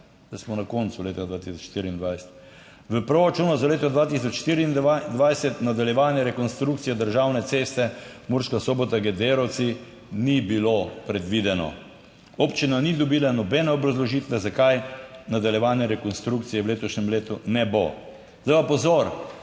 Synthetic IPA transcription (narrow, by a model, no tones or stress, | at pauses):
d̪asmɔnakont̪suleːt̪ad̪ʋaːt̪isɔt͡ʃʃt̪iɾiːnd̪ʋajsɛ̥t̪ | ʋəpɾoɾat͡ʃuːnɔzaleːt̪ɔd̪ʋaːt̪is̬ɔt͡ʃʃt̪iɾiːnd̪ad̪ʋajsɛt̪nad̪aljɛʋaːnjɛɾɛkonst̪ɾuk̚t̪sijɛd̪əɾʒawnɛseːst̪ɛ | muɾʃkasoːbɔt̪aɡɛd̪eɾɔw̪si | nibilopɾɛd̪ʋid̪ɛnɔ̰ | opt͡ʃinanid̪ɔbiːlanɔbɛnɛɔbɾazlɔʒiːt̪ʋɛzakajnad̪aljɛʋaːnjɛɾɛkɔnst̪ɾukt̪sijɛwleːt̪ɔʃɲɛmleːt̪unɛbo | zd̪aɪpapɔzoɾ